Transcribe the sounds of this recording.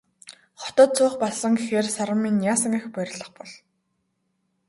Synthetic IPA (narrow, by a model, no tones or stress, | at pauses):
χɔ̥t̪ɔ̆t̪̚t͡sʰʊːχpɔɮsə̆ŋɡexeːrsaɾə̆mːiːnjaːsə̆ŋixpœɾʲɪ̆ɮə̆χpɔɮ